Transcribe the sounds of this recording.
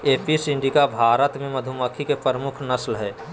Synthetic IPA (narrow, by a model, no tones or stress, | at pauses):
eːpisɪ̃ɳɖikabʱaːɾət̪mẽmɐd̪ʱuməkʰikepəɾəmʊkʰnɐslɦɛː